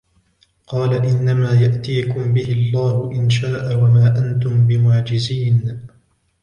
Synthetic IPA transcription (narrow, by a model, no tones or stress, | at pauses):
qɑːlaʔɪnːamaːjaʔt̪iːkʊmbɪhɪɑlˤːaːhʊʔɪnʃaːʔawamaːʔant̪ʊmbɪmaːd͡ʒɪziːn